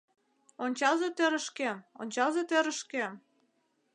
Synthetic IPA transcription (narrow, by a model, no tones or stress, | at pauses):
onʲt͡ɕɑzet̪eɾə̆ʃkemo̰nʲt͡ɕɑlzet̪eɾəʃkem